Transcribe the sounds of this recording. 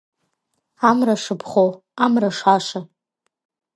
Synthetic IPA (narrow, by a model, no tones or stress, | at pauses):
amraʂɨpʰχow | amraʂaʂa